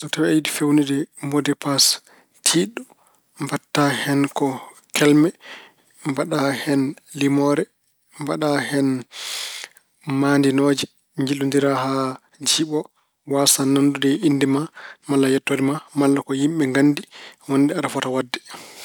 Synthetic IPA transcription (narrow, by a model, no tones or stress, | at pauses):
sɔtawɛajidifewnidɛmodɛpas | tʰiɗu | mbatːahɛnkɔ | kʰɛlmɛ | mbaɗahɛnlimɔɾɛ | mbaɗahɛn | mandinoːd͡ʒɛ | ɲd͡ʒilːundiɾaɦa | d͡ʒiɓɔ | wasanandudɛinːdɛmamalːajɛtːodɛmamalːakɔjimɓɛŋɡanːdiwoniɗɛaɗafɔtawadːɛ